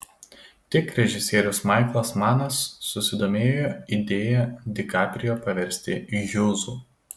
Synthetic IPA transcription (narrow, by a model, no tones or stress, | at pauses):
t̪ʲɪkɾʲɛʒʲɪsʲeːɾʲʊsmɐɪklˠɐsmɑːnɐsːʊsʲɪd̪oːmʲeːjoːid̪ʲeːjɛd̪ʲɪkɑːpʲɾʲɪjoːpɐʋʲɛɾʲsʲt̪ʲɪjʊːzuː